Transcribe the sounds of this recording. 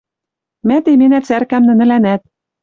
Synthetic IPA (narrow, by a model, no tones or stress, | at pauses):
mæt̪emenæt͡særkæmnɘ̆nɘ̆lænæt̪̚